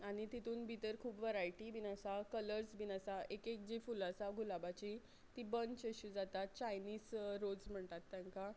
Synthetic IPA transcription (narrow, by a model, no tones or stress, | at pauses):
aɽ̃it̪it̪uːnbʱit̪əɾkʰuːpʋəɾajʈibinasakələɾsbinasaʔekek̚d͡ʑifulasaɡʱulabat͡ɕi | t̪ibənt͡ɕəɕud͡zat̪at̪̚t͡ɕajniːsɾod͡zm̤əɳt̪at̪ːjaŋka